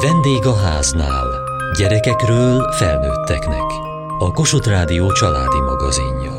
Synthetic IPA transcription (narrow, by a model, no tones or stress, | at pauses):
vɛnd̪eːɡɒɦaːzna̰ːl | ɟɛɾɛkɛkrøːlfɛlnøːt̪ːɛknɛ̰k | ɒko̞ʃot̪raːd̪ijot͡ʃɒla̰ːd̪imɒɡɒziɲːɒ